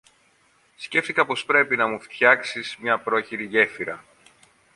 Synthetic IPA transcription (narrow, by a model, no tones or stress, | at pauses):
sce̞ft̪ikɐpo̞spɾe̞pinɐmuft̪çɐksizmɲɐpɾo̞çiɾiʝe̞fiɾɐ